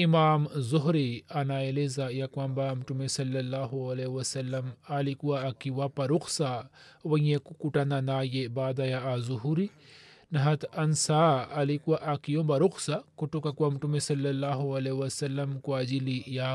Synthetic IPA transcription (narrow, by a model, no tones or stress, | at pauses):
imaːmzoɦɾianaːelezajakwambamʈumesɐlːɐlːaːɦoɐlewɐsɐlːɐmalikuwaakiwapɐɾuksa | ʋɐekkuʈananaːjebaːd̪ajaazuɦuɾinɐɦɐt̪ɐnsaːɐlikuwaʔakijõbɐɾuksakuʈokakwamʈumesɐlːɐlːaːɦoɐlewɐsɐlːɐmkuaːd͡ʒilija